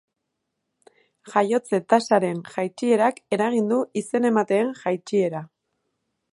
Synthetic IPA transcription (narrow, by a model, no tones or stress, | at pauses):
ʝajo̞t͡se̞t̪asaɾe̞nʝajt͡ʃie̞ɾake̞ɾaɣ̞ind̪uise̞ne̞mat̪e̞ːnʝajt͡ʃie̞ɾa